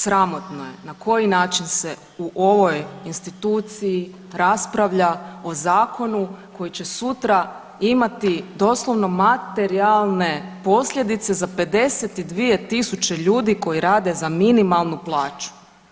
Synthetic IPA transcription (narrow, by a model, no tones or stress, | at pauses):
sɾamo̞t̪no̞je̞nako̞jinaːt͡ʃinse̞ | uʔo̞ʋo̞jinst̪it̪uːt̪siji | ɾaspɾaʋʎao̞zaːko̞nuko̞jit͡ɕe̞sut̪ɾa | imat̪id̪o̞slˠo̞ʋno̞mat̪e̞ɾialˠne̞po̞sʎʲe̞d̪it̪se̞zape̞d̪e̞set̪id̪ʋie̞t̪isut͡ɕe̞ʎuːd̪iko̞jiɾaːd̪e̞zaminimalˠnuplˠaːt͡ʃu̥